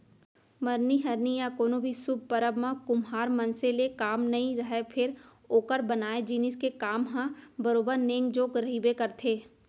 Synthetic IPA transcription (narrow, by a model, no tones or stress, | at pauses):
mɐɾniɦɐɾnijakoːnobʱisʊb̚ʱpəɾəbmãkʊmɦaːɾmɐnselekaːmnɐɦĩɾɐɦepʰɪɾ | oːkəɾbɐnaːed͡ʒiːnɪskekaːmɦãbɐɾoːbəɾnẽːŋɡd͡ʒoːkɾɐɦiːbekɐɾt̪ʰeː